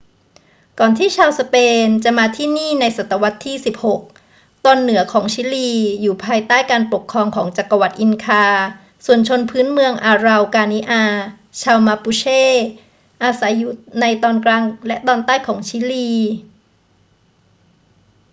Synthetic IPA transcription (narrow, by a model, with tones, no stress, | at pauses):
kɔː˨˩nt̪ʰiː˥˩t͡ɕʰaː˧wsa˧peː˧nt͡ɕa˨˩ʔmaː˧t̪ʰiː˥˩niː˥˩na˧jsa˨˩t̪ːa˧wa˦˥t̪ʰːiː˥˩si˨˩p̚ho˨˩k̚ | t̪ɔː˧nːɯ˨˩˦ɐkʰɔː˩˦ŋt͡ɕʰiː˦˥liː˧juː˨˩pʰaː˧jt̪aː˥˩jkaː˧npo˨˩kʰːɾɔː˧ŋkʰɔː˩˦ŋt͡ɕa˨˩kːa˧wa˨˩t̪̚ʔi˧nkʰaː˧ | su˨˩ənt͡ɕʰo˧npʰɯː˦˥nmɯ˧əŋʔaː˧ɾa˧wkaː˧ni˦˥ʔaː˧ | t͡ɕʰaː˧wma˧pu˧t͡ɕʰeː˥˩ | ʔaː˧sa˩˦jːu˦˩t̪̚na˧jt̪ɔː˧nklaː˧ŋlɛ˦˥ʔt̪ɔː˧nt̪aː˥˩jkʰɔː˩˦ŋt͡ɕʰiː˦˥liː˧